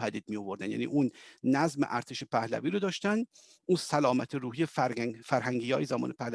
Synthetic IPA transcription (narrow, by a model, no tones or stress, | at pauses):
hæd̪iːd̪̚mijo̞vo̞ɾd̪ænjæ̰ːnḭːʔuːnːæzmeʔæɾt̪ʰeʃepʰæhlæ̰viːɾod̪ɒːʃt̪ænd̪ | ʔuːnsælɒːmæt̪ʰeɾuːhijefæɾɦæŋɟiːjɒːjezæmɒ̰ːnʔepʰæhlæ